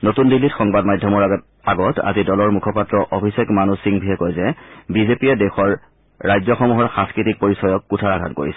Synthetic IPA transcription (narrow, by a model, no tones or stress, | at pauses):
notundilːitxɔŋbadmajdʱːɔmɔɹ | aɡɔtʰa̰zidɔlɔɹmukʰɔpatɹɔʔobʱisekmanusiŋbʱiɦɛkɔjzɛbizepiɛdɛxɔɹː | ajzjɔxɔmuɦɔɹxãnskɹitik̚poɹisɔjɔkːutʰaɹaɡʱa̰t̚koɹḭsɛ̥